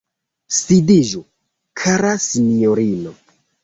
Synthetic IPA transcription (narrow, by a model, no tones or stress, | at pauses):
sidiʒu | kʰaɾasinioɾino